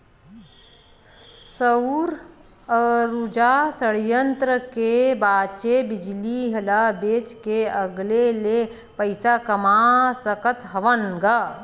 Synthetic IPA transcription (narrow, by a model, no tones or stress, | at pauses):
səʊɾ | ɾud͡ʒasəɽjənt̪ɾəkebaːt͡ʃebɪd͡ʒliɦɐlabeːt͡ʃkeəɡlele | pəɪsakəmaːsəkət̪ɦɐʋənɡa